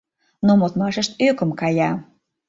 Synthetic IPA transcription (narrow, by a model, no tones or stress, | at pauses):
nomot̪mɑʃəʃt̪økə̆mkɑjɑ